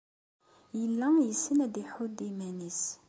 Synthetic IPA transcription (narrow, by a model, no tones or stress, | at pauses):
jəlːæjəsːənæd̪iħud̪imænis